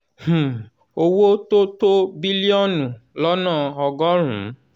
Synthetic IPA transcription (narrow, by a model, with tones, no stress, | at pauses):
h̩˨ | o˧wo˦to˦to˦bi˦li˦ɔ˦nũ˨lɔ˦nã˦˨ɔ˧ɡɔ˦ɾ̃ũ˨˦